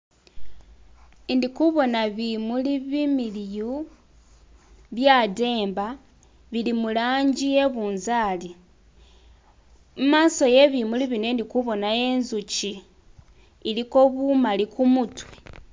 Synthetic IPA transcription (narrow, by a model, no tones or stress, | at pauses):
indikuβo̞naβimuliβimiliju | βjade̞ːmba | βilimulaːɲɟie̞βuːnzaːli | mumaːso̞je̞βimuliβinwe̞ndikuβo̞nae̞nzut͡ʃi | liko̞βumalikumutwe̥